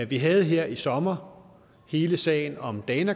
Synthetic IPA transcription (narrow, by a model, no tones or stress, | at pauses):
ʋiɦɛð̞̩ˠɦeɐ̰isɒ̽mɐ | he̝ːləsɛ̰ɪnɒ̽md̥ɛnæ